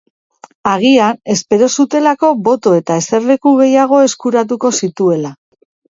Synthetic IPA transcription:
aɣ̞iane̞spe̞ɾo̞sut̪e̞lako̞βo̞t̪o̞e̞t̪ae̞se̞rekuɣe̞jaɣ̞o̞e̞skuɾat̪̬uko̞sit̪ue̞la

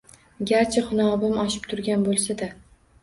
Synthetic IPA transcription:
ɡʲaɾt͡ʃʰaχʊnɒːbɪmɒʃɪ̥pt̪ʰʊɾɡʲanbolˠsad̪a

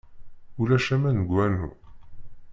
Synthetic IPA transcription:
ulæʃæmænəɡʷwænṵ

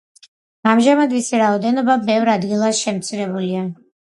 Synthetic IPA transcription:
amʒamad̪visiɾaɔd̪ɛnɔbabɛvɾad̪ɡilˠasʃɛmt̪sʰiɾɛbulia

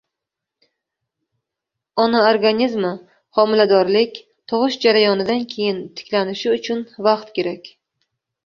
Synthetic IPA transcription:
ɒnaoɾɡanʲizmɪ | χɒmɪlad̪ɒɾlɪkʲ | t̪ʰɒʁɨʃd͡ʒaɾajɒnɪd̪ankʲʰe̞jɪnt̪ʰɪ̥kʲlanɪʃɪʊt͡ʃʰʊnvɑqt̪kʲe̞ɾakʲ

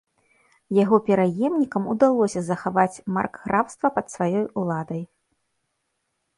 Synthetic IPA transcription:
jaɣɔpʲɛɾajɛmnʲikɐmud̪alˠɔsʲɐzɐxavat͡sʲma̰rkɣɾawst̪vɐpɐt̪svajɔjulˠad̪ɐj

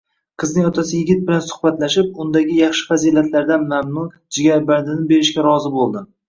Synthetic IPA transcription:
qʰɨznɪŋɒt̪ʰasɪjɪɡʲɪt̪̚bɪlansʊ̥χbat̪laʃɪp̚ʊnd̪aɡʲɪjɑχʃɪ̥fazilat̪laɾd̪anmamnʊ | d͡ʒɪɡʲaɾbaɾd̪ɪnɪbe̞ɾɪʃkʲaɾɒzɪbolˠd̪ɪ

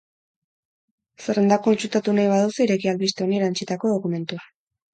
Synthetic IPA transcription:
sere̞nd̪akoint͡ʃut̪at̪unajβ̞aðusiɾe̞kialβist̪eonieɾant͡ʃit̪ako̞ðo̞kume̞nt̪ua

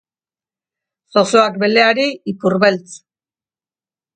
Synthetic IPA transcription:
so̞soakbe̞le̞aɾiipuɾβe̞lt͡s

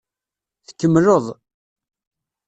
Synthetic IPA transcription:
θəkːəmːloðˤ

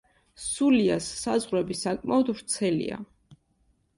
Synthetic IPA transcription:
suliasːazʁɾɛbisakʼmaɔd̪vɾt̪sʰɛlḭa̰

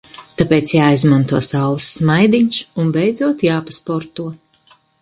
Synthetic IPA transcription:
t̪apeːt̪sjaːizmant̪uɔsawlˠɨsːmajd̪iɲsunbɛjd̪zuɔt̪jaːpaspɔɾt̪uɔ

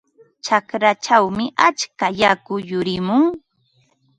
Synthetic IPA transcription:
t͡ʃakɾat͡ʃawmɪʔat͡ʃkajakʊjʊɾɪmʊŋ

